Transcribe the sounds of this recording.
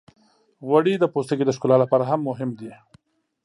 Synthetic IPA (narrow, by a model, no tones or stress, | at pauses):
waɽid̪əpost̪əɡed̪əʃkulalapɑːɾaɦamːʊɦɪmd̪i